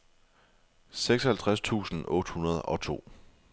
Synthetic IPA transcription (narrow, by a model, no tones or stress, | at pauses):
seɡ̥sɒhælt͡sʰʁast͡sʰṵːsn̩ɔ̽ːd̥hunɐð̞̩ˠɒ̽t͡sʰo̝̰ː